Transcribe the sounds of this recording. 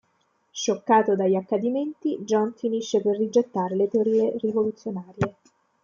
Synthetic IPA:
ʃokːaːt̪od̪ajakːad̪iment̪id͡ʒɔnfiniʃːeperːid͡ʒet̪ːaːɾelet̪eoɾiːerivolut̪sːjonaːɾje

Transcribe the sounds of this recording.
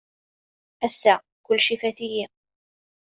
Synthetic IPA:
æsːæ | kʊlːʃifæθiji

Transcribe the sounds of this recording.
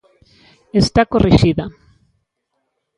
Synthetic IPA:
est̪akorʔiʃiða

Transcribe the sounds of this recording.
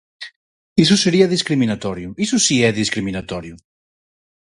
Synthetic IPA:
is̬useɾiaðiskɾiminat̪ɔɾjʊisusiɛðiskɾiminat̪ɔɾjʊ

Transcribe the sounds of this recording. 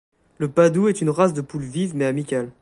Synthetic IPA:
ləpad̪uɛt̪ynʁas̬d̪əpulvivmeamikʲal

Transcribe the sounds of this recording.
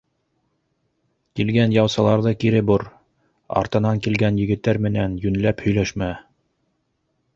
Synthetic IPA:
kilɡænjɑwsɑlˠɑɾðɤkiɾɘbuɾ | ɑ̰ɾt̪ɤ̆nɑŋkilɡænjɘ̆ɡɘ̆t̪ːæɾmɘ̆nænjɵ̆nlæphɵ̆jlæʃmæ

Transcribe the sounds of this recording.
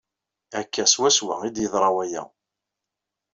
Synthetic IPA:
ækːæswæswæ̰id̪jəðˤɾˤɑwæjæ̰

